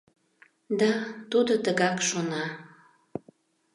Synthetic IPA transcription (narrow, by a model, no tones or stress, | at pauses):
d̪ɑt̪ud̪ot̪əɣɑkʃonɑ